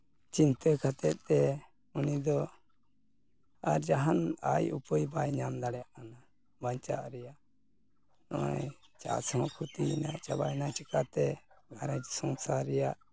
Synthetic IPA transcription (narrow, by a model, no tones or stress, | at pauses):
t͡ʃint̪əkʰat̪ɛt̪̚ɛ | unid̪ɔ | aɾd͡ʒaɦana̰jṵpəjbajɲamd̪aɽɛjaʔkana | baɲt͡ʃa̰ʔɾɛjaʔ | nɔ̰ajt͡ʃa̰sɔ̃kʰut̪iinaʔt͡ʃabajnat͡ʃəkat̪ɛɡʱaɾad͡ʒsɔŋsaɾɛjaʔ